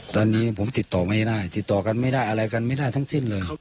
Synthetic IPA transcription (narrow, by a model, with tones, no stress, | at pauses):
t̪aː˧˨nːiː˧˥˨pʰo˨˦mt̪i˨˩t̪ːɔː˨˩ma˧˩˨daː˧˩jt̪i˨˩t̪ːɔː˨˩ka˧nma˥˩jdaː˥˩jʔa˧ɾa˧jka˧nma˥˨jdaː˥˩jt̪ʰŋsi˧˥˩nlɤː˧j